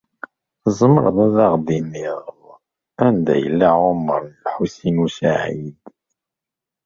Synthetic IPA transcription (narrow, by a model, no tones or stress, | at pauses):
zˤməɾˤðˤæðɑʁd̪iniʁð | ænd̪æ̰jə̰lːaʕomːəɾˤnlħusinusaʕid̪